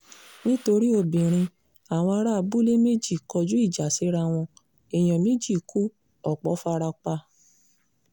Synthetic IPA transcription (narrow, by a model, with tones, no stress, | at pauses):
nĩ˦to˧ɾi˦o˧˨bĩ˨ɾ̃ĩ˧ | a˨w̃ɔ̃˧a˧ɾa˦˧bu˦le˦me˦d͡ʒi˦˨kɔ˧d͡ʒu˦i˦˨d͡ʒa˨si˨˦ɾa˧w̃ɔ̃˧ | e˨j̃ɔ̃˨mẽ˦d͡ʒi˦˨kʰu˦ | ɔ˦˨k͡pɔ˨˦fa˧ɾa˧k͡pa˧